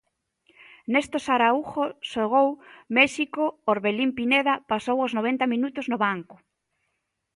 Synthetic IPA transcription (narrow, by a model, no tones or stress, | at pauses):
nest̪osaɾauxosoɣ̞owmɛʃikooɾβelimpineðapasowoznoβ̞ent̪amĩnut̪ʊznoβaŋkʊ̥